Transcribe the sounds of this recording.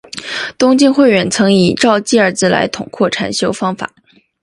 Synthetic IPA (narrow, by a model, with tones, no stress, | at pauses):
t̪ʊ˥ŋt͡ɕi˥˧nxwe˥˩ɪɥɛ˧˥nt͡sʰɤ˧˥ŋi˨˩ʈ͡ʂɑ˥˧ʊt͡ɕi˥˧ə˞˥˧t͡sɹ̩˥˩la̰˧˥ɪt̪ʰʊ˨˩ŋkʰwɔ˥˩ʈ͡ʂʰa˨˩nɕjo˥ʊfɑ˥ŋfa̰˨˩˦